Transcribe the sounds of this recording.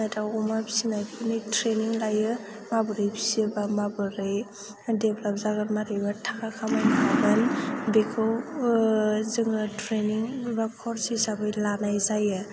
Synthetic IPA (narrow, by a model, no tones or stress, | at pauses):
ajtawɔmabi̥sinajpʰɯnɯjtʰɾeniŋlajɯ | mabɯɾɯjbi̥sibamabɯɾej | depʰlap̚zaɡaɾmaɾibatʰakʰakʰamankʰamanbekʰɯw | zɯŋɯtʰɾeniŋbakʰɔɾsisabɯjlanajzajɯ